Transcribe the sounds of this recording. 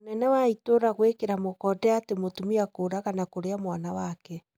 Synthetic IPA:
onɛnɛwaitoɾaɣwekeɾamokɔdɛatemotumiakoːɾaɣanakoɾeamwanawakɛ

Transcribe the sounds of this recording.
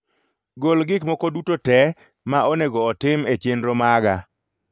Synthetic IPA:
ɡolɡɪkmɔkodutotɛ | maʔɔneɡɔːtɪmet͡ʃendɾomaɡa

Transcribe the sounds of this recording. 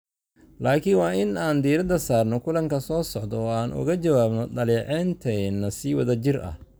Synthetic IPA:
laːkʰɪnwɑːɪnaːnd̪iːɾɐd̪ɐsaːrnɔkʰʊlɐŋkʰɐsɔːsɔʕd̪ɔːaːnʔʊ̰ɣɐt͡ʃɐwaːbnɔɖɐliːʕɛːnt̪ʰɛnːɐsiːwɐðɐt͡ʃɪrɐ̰h

